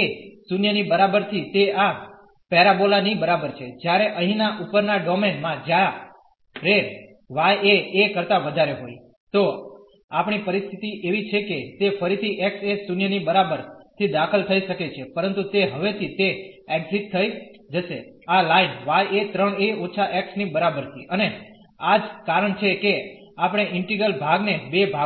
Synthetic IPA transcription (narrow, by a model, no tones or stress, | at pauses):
esunjənibəɾabəɾt̪ʰit̪ea | pɛɾabolanibəɾabəɾt͡ʃʰed͡ʒjaɾeʔə̃ɦĩnaʔupəɾnaɖɔmenmãd͡ʒa | ɾe | ʋajeːkəɾt̪aʋəd̪ʱaɾeɦoj | t̪o | apɳ̃ipəɾist̪ʰit̪iʔeʋit͡ʃʰeket̪efəɾit̪ʰiʔeksesunjənibəɾabəɾt̪ʰid̪akʰəlt̪ʰəiʃəket͡ʃʰepəɾənt̪ut̪eɦəʋet̪ʰit̪eɛʈziʈ̚t̪ʰːəjd͡ʒəʃealainʋajet̪ɾəɳeot͡ʃʰaʔeksnibəɾabəɾt̪ʰḭʔəne | ad͡ʒkaɾəɳt͡ʃʰeke | apɽ̃eʔɪɳʈiɡəlbʱaɡnebebʱa